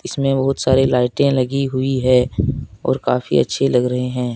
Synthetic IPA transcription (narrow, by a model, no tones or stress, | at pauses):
ɪsmẽbɐɦʊt̪saːɾelaːɪʈẽlɐɡiɦʊiɦɛ̃ɔ̰ːɾkaːfḭɐ̰tːʃʰelɐɡɾɐɦeɦɛ̃ː